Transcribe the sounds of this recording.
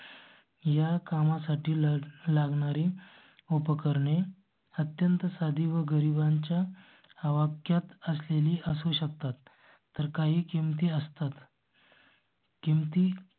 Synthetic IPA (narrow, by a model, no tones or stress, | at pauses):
jakamasaʈiːlaɡɳaɾiː | opəkəɾɳe | ət̪jənt̪əsad̪ʱiːʋəɡəɾibaɲt͡ɕjaː | ʋakjat̪əsleliːʔəsuɕək̚t̪at̪ː | əɾkaɦiːkimt̪iːəst̪at̪ | kimt̪iː